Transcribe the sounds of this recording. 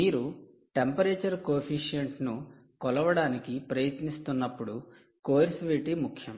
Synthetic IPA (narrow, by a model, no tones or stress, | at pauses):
iːɾu | ʈe̞mpɐɾeːt͡ʃɐɾkoːpʰiʂijɐɳʈnu | kɔlɐʋɐɽaːnikipɾɐjɐt̪nist̪unːɐpːuɽu | koːɾsʋeʈimukʰjɐm